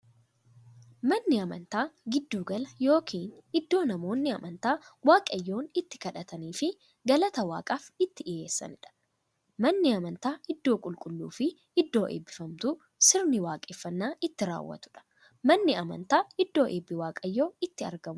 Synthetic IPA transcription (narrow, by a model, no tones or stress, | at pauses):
mɐnːɪɐmɐ̰nt̪aːɡɪd̪ːuːɡɐlɐjo̞ːkʰiːnɪd̪ːo̞ːnɐmo̞ːnːɪɐmʔɐnt̪aːwaːkʼɐjːo̞ːnɪt̪ːɪ̥kɐᶑɐt̪ɐniːfɪ | ɡɐlɐt̪ɐwa̰ːkʼaːfɪt̪ːɪᶑɪje̞ːsːɐ̰nɪᶑɐ̥ | mɐnːɪɐmɐnt̪aːɪd̪ːo̞ːkʼʊlkʼʊlːṵːfɪ | ɪd̪ːo̞ːʔḛːbːɪfɐmt̪ʊ | sɪɾnɪwaːkʼeːfːɐnːaːʔɪt̪ːɪɾa̰ːwːɐ̰t̪ʊ̥ᶑɐ̥ | mɐnːɪɐmɐ̰nt̪aːɪd̪ːo̞ːʔeːbːɪwaːkʼɐjːoːɪt̪ːɪɐ̰ɾɡɐmʊ